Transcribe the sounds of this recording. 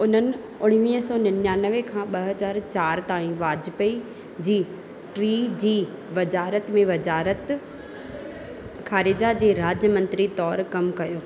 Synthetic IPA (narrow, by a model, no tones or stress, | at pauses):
ʊn̤ənɪ̆ | ʊɽ̃ʋiːɦsɔːnɐnjaːnəʋekʰãːɓɐɦɐzaːɾt͡ɕaːɾt̪aːĩʋaːd͡ʑɪpɐi | d͡ʑiː | ʈɾiːd͡ʑiː | ʋɐzaːɾət̪mẽʋɐd͡ʑaːɾət̪ | xʰaːɾɪd͡ʑad͡ʑeːɾaːd͡ʑjəmɐ̃nt̪ɾit̪ɔːɾkɐmkɐjoː